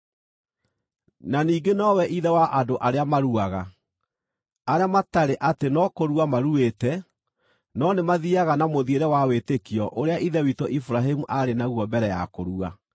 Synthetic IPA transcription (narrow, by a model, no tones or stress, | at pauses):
naniːɡenɔwɛʔiðɛwaʔadoʔaɾeamaɾuaɣa | aɾeamataɾeʔatenɔkoɾuamaɾuetɛ | nɔnemaðiaɣanamoðieɾɛwawetekiɔʔoɾeaʔiðɛwitɔʔifuɾaɦemuʔaɾenaɣuɔbɛɾɛja̰koɾua